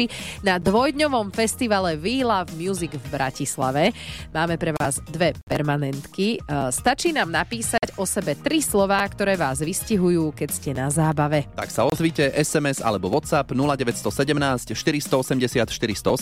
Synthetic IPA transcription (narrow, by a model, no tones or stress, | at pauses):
inad̪ʋɔjd̪ɲɔʋɔmfɛst̪iʋalɛʋiːlavmjuziɡvbɾʔacisla̰ʋɛmaːmɛpɾɛʋaːzd̪ʋɛpɛɾmanɛnt̪kist̪at͡ʃiːnaːmnapiːsaɟɔsɛbɛt̪ɾislɔʋaːkt̪ɔɾɛːʋaːzʋisciɦujuːkɛcscɛnazaːbaʋɛt̪a̰ksaɔzʋiːcɛʔɛsɛmɛza̰lɛbɔʋɔt̪sapnulaɟɛʋɛcst̪ɔsɛɟɛmnaːscʃt̪iɾist̪ɔɔsɛmɟɛsɪat̪ʃt̪iɾist̪ɔɔ